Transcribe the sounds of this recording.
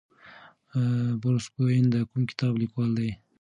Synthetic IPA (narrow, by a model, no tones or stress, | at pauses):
bʊɾuskojind̪əkumkɪ̥t̪ɑːblikwɑːld̪aj